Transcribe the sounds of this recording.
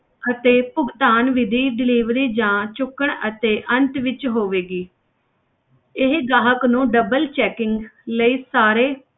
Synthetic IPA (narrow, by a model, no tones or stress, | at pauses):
ət̪eːpʊɡt̪aːnʋɪd̪iːɖɪliːʋɾiːd͡ʒãːt͡ʃʊkːəɳət̪eːʔə̃nt̪ʋɪt͡ʃɦoːʋeːɡiː | ɪɦɡaːɦəknũːɖəbəlt͡ʃɛːkɪŋɡləiːsaːɾeː